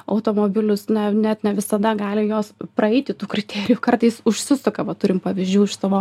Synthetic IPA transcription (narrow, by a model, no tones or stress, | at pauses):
ɐʊt̪oːmoːbʲɪlʲʊsnʲɛnʲɛt̪nʲɛʋʲɪsɐd̪ɐɡɑːlʲɪjoːspɾɐɛɪt̪ʲɪt̪uːkʲɾʲɪt̪ʲæːɾʲɪjuːkɐrt̪ɐɪsʊʃʲsʲɪsʊkɐʋɐt̪ʊɾʲɪmpɐʋʲizʲd͡ʒʲuːɪʃsɑːʋoː